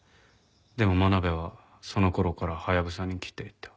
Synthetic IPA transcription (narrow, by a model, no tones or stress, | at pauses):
d̪e̞mo̞manabe̞βa | so̞no̞ko̞ɾo̞kaɾahajaɡɯ̟saɲ̟ikʲi̥t̪ːe̞it̪ːḁ